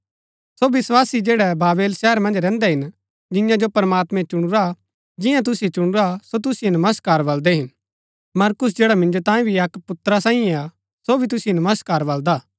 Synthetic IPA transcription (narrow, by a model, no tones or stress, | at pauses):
sobɪswaːsid͡ʒeːɽɛbaːbeːlʃɛɦəɾmɐ̃nd͡ʒɾɛ̃ːnd̪ɛɦɪn | d͡ʒɪ̃jãd͡ʒopɐɾmaːt̪mɛ̃t͡ʃʊɽ̃ʊɾa | d͡ʒɪ̃jãt̪̬ʊsiet͡ʃʊɽ̃ʊɾasot̪̬ʊsijenɐməst̪̚kaːɾbɐld̪ɛɦɪn | mɐɾkʊs̬d͡ʒeːɽamɪ̃nd͡ʒot̪ãːĩbʱiɐkpʊt̪ɾasãːĩẽa | sobʱit̪̬ʊsijinɐməst̪kaːɾbɐld̪aː